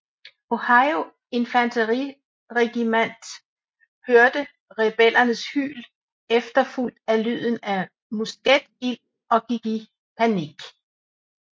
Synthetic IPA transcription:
o̝hɑ̈ɪo̝ | e̝nfænt͡sʰəʁi | ʁɛɡ̥imæn̰d̥ | høɐd̥ə | ʁɛb̥el̰ɐnəshy̰ːl | efd̥ɐful̰d̥ælyð̰ˠn̩æ | musɡ̥ed̥il̰ | ɒ̽ɡ̥iɡ̥i | pʰæniɡ̥

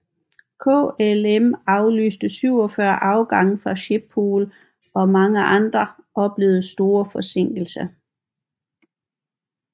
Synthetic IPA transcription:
kʰɔ̰elemɑ̈ʊly̰ːsd̥əsyʊ̰ɒ̽fɶɐ̰ʔɑ̈ʊɡ̥ɑ̈ŋfʁɑ̈ɕeb̥̚ʰoːl | ɒ̽mɑ̈ŋəʔɑ̈nd̥ʁɐʔɒ̽b̥le̝ːʊð̩ˠsd̥o̝ːɐfɒ̽se̝ŋ̰ɡ̥l̩sɐ

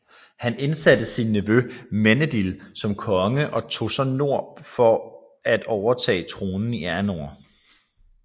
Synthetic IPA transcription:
hæne̝nsæd̥əsinːiʋømenəd̥ilsɒ̽mkʰɒ̽ŋəʔɒ̽t͡sʰo̝sɒno̝ɐ̰fɒ̽ | æd̥ɒʊɐt͡sʰɛ̰ːt͡sʰʁoːnn̩iæɐno̝̰ɐ̰

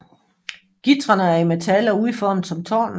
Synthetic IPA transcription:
ɡ̥id̥ʁɐnəæɐimet͡sʰælɐuðˠifɒːm̩sɒ̽mt͡sʰɒ̰ːn

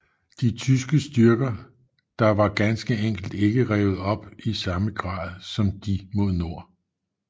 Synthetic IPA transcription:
d̥it͡sʰys̬ɡ̥əsd̥yɐɡ̥ɐ | d̥ɑ̈ʋɑ̈ɡ̥ænsɡ̥əeŋ̰ɡ̥l̩d̥e̝ɡ̥əʁɛːʊð̞̩ˠɒ̽b̥isɑ̈məɡ̥ʁɑ̰̈ːðˠsɒ̽md̥imo̝ð̞ˠno̝ɐ̰

